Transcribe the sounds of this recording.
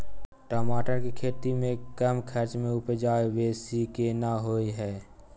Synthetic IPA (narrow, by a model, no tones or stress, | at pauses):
ʈɔːmaːʈəɾkekʰeːt̪imẽkəmkʰəɾt͡ʃmẽʊpəd͡ʒaːeʋeːsikenaɦoːiɦɛː